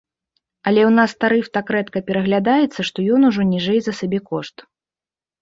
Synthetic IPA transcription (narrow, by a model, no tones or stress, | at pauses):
ɐlʲɛwnast̪aɾɨft̪akɾɛt̪kɐpʲɛɾɐɣlʲad̪ajɛt̪sːɐʂt̪ɔjɔnuʐɔnʲiʐɛjzɐsabʲɛkɔʂt̪